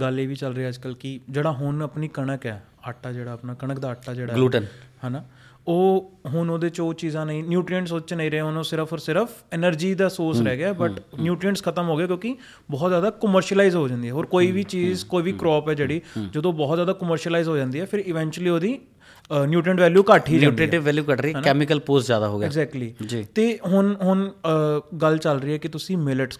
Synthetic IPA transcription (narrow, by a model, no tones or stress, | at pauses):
ɡəleːʋiːt͡ʃəlɾeːɛːəd͡ʒkəlkɪd͡ʒeːɽaːɦʊnəpniːkəɳəkɛ̰ː | aʈːaːd͡ʒeːɽaːəpnaːkəɳəkd̪aːəʈʰːaːd͡ʒeːɽaːuːənɦaːnaː | oːɦʊnoːd̪eːt͡ʃoːt͡ʃiːzãːnəĩːnjuːʈɾiəɳʈsoːt͡ʃnəĩːɾəeonõːsɪɾəpʰoɾsɪɾəfʰɛnəɾd͡ʒiːd̪aːsoːɾsɾɛːɡeaːɛːbəʈnjuːʈɾiəɳʈskʰət̪əmɦoːɡejaːkjõːki | bɔːt̪zjaːd̪aːkəməɾʃiəlaːizɦoːd͡ʒãːnd̪iːɛːɦoːɾkoːiːʋiːt͡ʃiːzkoːiːʋiːkɾɔːpɛːd͡ʒeːɽiːd͡ʒəd̪õːbɔːt̪zjaːd̪aːkəməɾʃəlaizɦoːd͡ʒãːnd̪iːɛːpʰɪɾɪʋɛ̃ːɲt͡ʃuəliːoːd̪iː | njuːʈɾə̃ɳʈʋɛːljuːkəʈʰiːʈɾeːʈɪʋʋɛːljuːkəʈɾiːɛːmɪkəlpoːsd͡ʒja̰ːd̪a̰ːɦo̰ːɡɛːɡzɛːk̚ʈliːd͡ʒiːt̪eːɦʊnɦʊn | ɡəlt͡ʃəlɾiːɛːkɪt̪ʊsĩːmɪləʈ